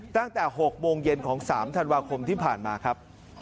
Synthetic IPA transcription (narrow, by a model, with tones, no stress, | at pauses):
t̪a˥˩ŋt̪ɛː˨˩ɦo˨˩k̚moː˧ŋje˧nkʰɔː˩˦ŋsaː˩˦mt̪ʰa˧nwaː˧kʰo˧mt̪ʰiː˥˩pʰaː˨˩nmaː˧kʰɾa˦˥p̚